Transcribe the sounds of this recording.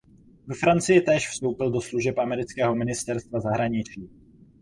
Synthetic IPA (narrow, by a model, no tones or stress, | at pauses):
vɛfɾant͡sɪjɪt̪ɛːʃfst̪o̞wpɪldo̞sluʒɛpʔamɛɾɪt͡skɛːɦo̞mɪnɪst̪ɛɾst̪vazaɦɾaɲɪt͡ʃiː